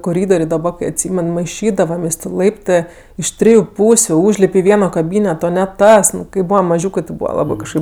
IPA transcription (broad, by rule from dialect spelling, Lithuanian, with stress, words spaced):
koːˈrʲiːdoːrʲeː dɐˈbɐ kɐɪ ɐtʲˈsʲiːmʲɛn mɐɪˈʃʲiːdɐʋɐmʲeːsʲ tʲeː ˈlˠɐɪptɜ ɪʃ ˈtʲrʲɪjʊ ˈpuːsʲʊ ˈuːʒʲlʲɪpʲ ɪ ˈʋʲiɛnoː kɐˈbʲiːnʲɛtoː nʲɛ ˈtɐs ˈnʊ kɐɪ ˈbuːʋɐm mɐˈʒʲuːkɜ tʲɪ ˈbuːʋɐ ˈlˠɑːbɜ kɐʃˈkɐɪp